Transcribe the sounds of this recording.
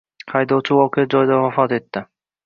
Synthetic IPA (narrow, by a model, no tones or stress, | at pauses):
hʰajd̪owt͡ʃʰɪwɒqejad͡ʒɒjd̪avafɒt̪e̞t̪ːɪ